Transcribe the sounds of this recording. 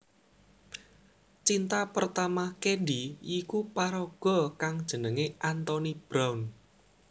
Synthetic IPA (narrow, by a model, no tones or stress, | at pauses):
t͡ʃint̪apərt̪amakeɖiikupaɾɔɡ̥ɔ̤kaŋd̥ʒ̥ə̤nəŋeʔant̪ɔnib̥ɾaun